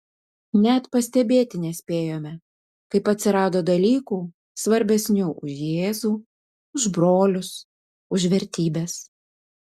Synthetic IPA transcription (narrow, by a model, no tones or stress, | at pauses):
nʲɛt̪pɐsʲt̪ʲɛbʲeːt̪ʲɪnʲɛsʲpʲeːjoːmʲɛ | kɐɪpɐt̪ʲsʲɪɾɑːd̪oːd̪ɐlʲiːkuː | sʋɐɾʲbʲɛsʲnʲuːʔʊʃjeːzuː | ʊʒbɾoːlʲʊs | ʊʒʋʲɛɾʲt̪ʲiːbʲeːs